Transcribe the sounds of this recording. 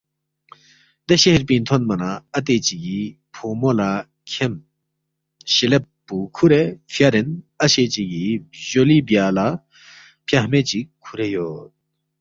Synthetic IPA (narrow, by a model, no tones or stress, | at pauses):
d̪eɕehɾpint̪ʰonmɐnaɐt̪̬et͡ɕiki | pʰomola | kʰem | ɕelepːukʰuɾefʰjaɾɪn | aɕet͡ɕikiʑolibiala | pʰjahmet͡ɕikʰuɾejot̪̚